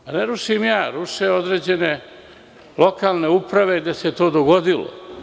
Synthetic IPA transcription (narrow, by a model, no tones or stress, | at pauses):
aneɾuʃimjaːɾuʃeo̞d̪ɾeːd͡ʑe̞ne̞ | lo̞kaːlneupɾaʋe̞id̪eset̪o̞ːd̪oɡod̪ilo̰